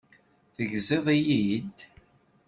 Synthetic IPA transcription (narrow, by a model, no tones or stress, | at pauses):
θəʝzeðˤijid̪